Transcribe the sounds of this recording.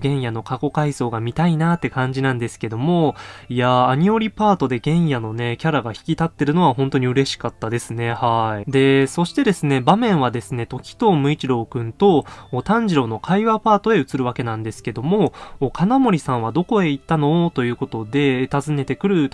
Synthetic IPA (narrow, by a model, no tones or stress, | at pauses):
ɡẽ̞ɰ̃jano̞kako̞kaiso̞ːɡamʲit̪ainat̪ːe̞kãɲ̟d͡ʑinãnd̪e̞sɨ̥ke̞d̪o̞mo̞ijaːɲ̟io̞ɾʲipaːt̪o̞d̪e̞ɡẽ̞ɰ̃jano̞ne̞kʲaɾaɡaçi̥kʲit̪at̪ːe̞ɾɯ̟no̞βaɦõ̞nt̪o̞ɲ̟iɯ̟ɾe̞ɕi̥kat̪ːad̪e̞sɨne̞haid̪e̞so̞ɕi̥t̪e̞d̪e̞sɨne̞bamẽ̞ɰ̃βad̪e̞sɨne̞t̪o̞kʲi̥t̪o̞ːmɯ̟it͡ɕiɾo̞ːkɯ̟̃nt̪o̞ːt̪ãɲ̟d͡ʑiɾo̞no̞kʰaiβapaːt̪o̞e̞ɯ̟t͡sɨɾɯ̟βake̞nãnd̪e̞sɨ̥ke̞d̪o̞mo̞ːkʰanamo̞ɾʲisãɰ̃β̞ad̪o̞ko̞e̞it̪ːano̞t̪o̞jɯ̟ːko̞t̪o̞d̪e̞t̪azɨne̞t̪e̞kɯ̟ɾɯ̟t̪